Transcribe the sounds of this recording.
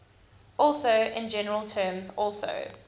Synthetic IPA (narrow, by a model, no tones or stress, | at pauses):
ɔˑlˠsoʊʔɪ̃nd͡ʒɛnəɹəlˠtʰɜːmzɔlˠso̰ʊ